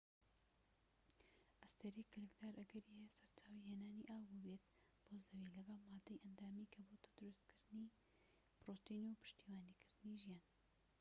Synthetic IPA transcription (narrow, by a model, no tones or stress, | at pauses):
ʔɐst̪eɾikʰlɨkd̪aːɾʔɐɡɐɾiesɐɾt̪ʰaːwiheːnaːniʔaːwbubet̪ | b̥ozɐwilɐɡɑlˠmaːd̪ːɐjʔɐnd̪aːmikʰɐboːt̪ʰɐ̥d̪ʊɾust̪kʰɨɾd̪ɨni | pɾoːt̪inupʰɨ̥ʃt̪iːwaːnikʰɨɾd̪ɨniʒijaːn